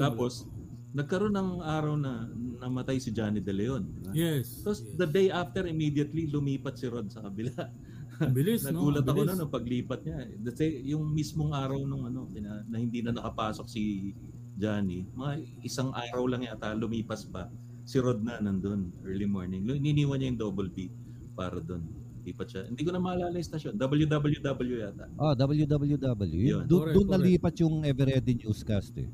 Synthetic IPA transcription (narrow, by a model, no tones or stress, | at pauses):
t̪aːppo̞s | nɐɡ̚kɐɾo̞nːɐŋaːɾɐwnɐnɐmɐt̪ajsɪd͡ʒaːnid̪ɛlɛjo̞nd̪ɪbajɛ | ɐosd̪ɐd̪ejʔaft̪ɛɹɪmiːd̪jɐt̪lilʊmiːpɐt̪̚sɪɾo̞d̪̚sɐkɐbɪla | bɪlɪsnɐnuːlɐt̪ɐkonɐnopɐɡliːpɐt̪̚ɲad̪ɐsɛjʊŋmismoŋaːɾɐwnoŋɐno̞kɪnanɐhɪnd̪iːnɐnɐkɐpaːso̞k̚si | d͡ʒaːnimɐŋa | ɪsaŋʔaːɾɐwlɐŋjat̪alʊmiːpɐsbɐ | sɪɾod̪̚nanɐnd̪onʔɛɹlimoɹnɪŋɪnɪniːwɐnɲajʊŋd̪obɛlbi | pa̰ːɾɐd̪o̞n | liːpɐt̪̚ʃahɪnd̪iːkonɐmɐɐlaːlɐjɪst̪ɐʃjond̪ɐbɐljud̪ɐbɐljud̪ɐbɐljujat̪a̰ʔod̪ɐbɐljud̪ɐbɐljud̪ɐbɐljṵjjond̪ʊʊnːɐliːpɐt̪̚jʊŋʔɛvɛɾɛd̪ɪɲuskast̪ɛ̰